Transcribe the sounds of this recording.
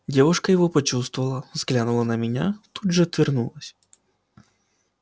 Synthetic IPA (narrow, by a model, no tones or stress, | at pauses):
dʲɛʋʊʂkɐjɔɦɔpɔt͡ʃust̪ʋɔʋɐlˠɐzɣlʲanulˠɐnɐmʲɪnʲat̪ud̪ʒɛt̪ʋʲirnulˠɐsʲ